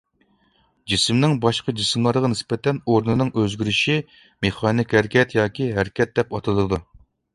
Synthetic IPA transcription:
d͡ʒismnɪŋbɑʃqɑd͡ʒismlˠɑɾʁɑnɪspɛt̪ʰɛnoɾnɨnɨŋøzɡʲyɾyʃi | meχɑːnɪkʲhæɾkʲʰɛt̪jɑːkʲʰiɦæɾkʲɛt̪̚d̪ɛpɑt̪ʰɨlˠɨd̪u

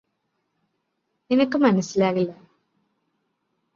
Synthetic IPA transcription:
enɐkːɨmɐnɐsilaːɣilːɐ

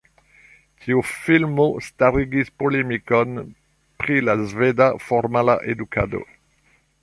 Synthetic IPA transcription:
tʰiufilmostaɾiɡispolemikon | pɾilazvedafoɾmala̰ʔeduka̰do̰

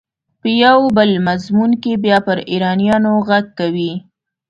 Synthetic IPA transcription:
pəjawbəlmazmunkebjɑpəɾiɾɑnijɑnoɣaɡ̚kawi

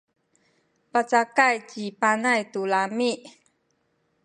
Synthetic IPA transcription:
pat͡sakajt͡ɕipanajt̪ulamiʔ

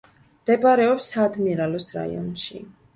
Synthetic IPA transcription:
md̪̥ɛbaɾɛɔpsad̪miɾalɔsɾa̰ḭɔ̰nʃḭ

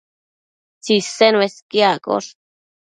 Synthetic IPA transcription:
t͡sisenweskjako̰ɾ

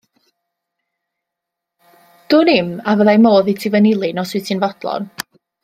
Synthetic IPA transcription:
d̥ʊːnɪmavəðajmoːðitʰɪvənɪlˠɨnɔswɨtʰinvɔd̥lˠɔ̰n

